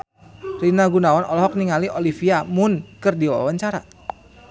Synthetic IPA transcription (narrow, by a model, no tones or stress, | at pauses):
rinaɡunawanɔlɔɦɔk̚niŋaliʔolifiamʊnkɨrdiwa̰waɲt͡ʃaɾa̰